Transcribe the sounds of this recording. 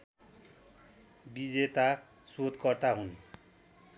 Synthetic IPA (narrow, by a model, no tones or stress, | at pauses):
bid͡zet̪a | sod̪kʌrt̪aɦun